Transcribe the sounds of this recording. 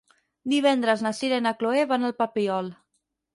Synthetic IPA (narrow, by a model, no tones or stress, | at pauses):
d̪iβɛnd̪ɾəznasiɾenəkloeβanəlˠpəpiɔlˠ